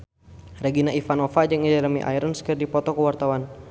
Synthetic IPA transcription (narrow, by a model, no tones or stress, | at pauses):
rɛɡinaifanɔfad͡ʒəŋid͡ʒalamḭʔa̰iɾənskərdipɔt̪ɔkəwart̪awan